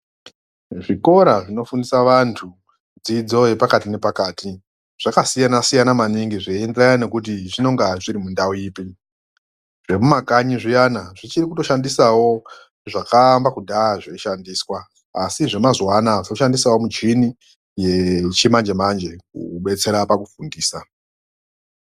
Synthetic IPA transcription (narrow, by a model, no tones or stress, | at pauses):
ʐiko̞ɾaʐino̞fundisaʋantʰu | d͡zid͡zo̞je̞pakatine̞pakaːti | ʐ̥akasijanasijanamaniŋɡiʐeenderajane̞kut̬iʐino̞ŋɡaʐiɾimundauiːpi | ʐe̞mumakaɲiʐijanaʐit͡ʃirikuto̞ʃandisawo̞ | ʐakambakudʱaːʐeʃandiːswaː | siʐe̞mazwanaʐuʃandisawo̞mut͡ʃini | jet͡ʃimand͡ʒe̞mand͡ʒe̞k̚ṵɓe̞t͡se̞ɾapakufundiːsa